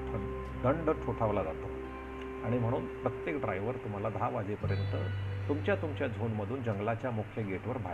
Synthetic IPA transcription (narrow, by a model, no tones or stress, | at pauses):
pʰəɳ | d̪əɳɖəʈʰoʈʰaʋlad͡zat̪o | aɽ̃im̤əɽ̃uːnpɾət̪jekɖɾajʋəɾt̪um̤alad̪ʱaʋad͡zepəɾjənt̪ət̪umt͡ɕjat̪umt͡ɕjad͡zʱonməd̪ʱuːnd͡ʑəŋɡlat͡ɕjamukʰjəɡeʈʋəɾbʱa